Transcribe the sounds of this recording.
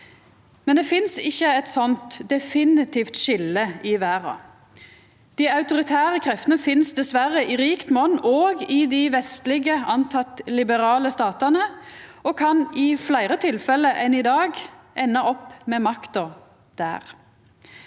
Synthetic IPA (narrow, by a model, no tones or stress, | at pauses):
mɛnd̪ɛfɪnsɪçːəɛt̪sɔnt̪d̪ɛfɪnɪt̪ʰiːft̪ʃɪlːəɪʋæːʁɑ̰ | d̪̥ɪɑʉt̪ʊʁɪt̪ʰæːʁəkʰʁɛft̪ənəfɪnsd̪ɛsʋæɾəʔɪʁiːkt̪mɔnːʔoːɡɪd̪ɪʋɛst̪lɪɡəɑnt̪ʰɑt̪lɪbəɾɑːləst̪ɑːt̪ɑnəɔkʰɑnɪflæɪʁət̪ʰɪlfɛlːəʔɛnɪd̪ɑːɡʔɛnːɑʔɔpːmɛːmɑkt̪ə | d̪̥æ̰ːʁ